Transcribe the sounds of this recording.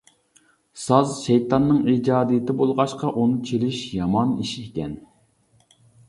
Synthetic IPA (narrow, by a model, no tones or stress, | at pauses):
sɑzʃɛjt̪ɑnːɨŋid͡ʒɑːd̪ijɪt̪ɪbolˠʁɑʃqɑʔunɨt͡ʃʰelɪʃjɑmɑniʃiekʲɛn